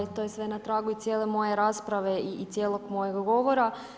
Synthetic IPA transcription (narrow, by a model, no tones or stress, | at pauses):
t̪ojesʋe̞nat̪ɾaːɡuit̪sjeːlˠe̞mo̞jeɾaːspɾaʋe̞iːt̪sʲje̞ːlˠoɡmo̞jeɡɡo̞ʋo̞ɾa